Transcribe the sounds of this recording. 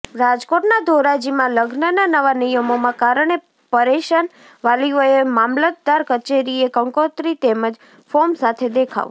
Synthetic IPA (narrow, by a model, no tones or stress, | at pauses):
ɾad͡ʒkoʈnad̪ʱoɾad͡ʒimãləɡnənanəʋanijəmomãkaɾəɳ̃e | pəɾeʃən | ʋalioemamlət̪̚d̪aɾkət͡ʃeɾiekəŋkot̪ɾit̪eməd͡ʒ | fomsat̪ʰed̪ekʰa̰ʋ